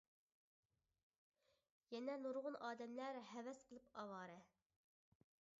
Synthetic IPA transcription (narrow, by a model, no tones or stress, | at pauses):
jɛnɛnuɾʁʊnʔɑːd̪ɛmlæɾɦɛwɛsqʰəlˠɨpɑwɑːɾɛ